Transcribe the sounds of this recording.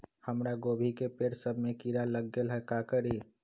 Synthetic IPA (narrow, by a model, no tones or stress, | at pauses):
həmɾaɡoːbʱikepeːɾsəbʱmẽkiɾaləɡːelɦɛkakəɾi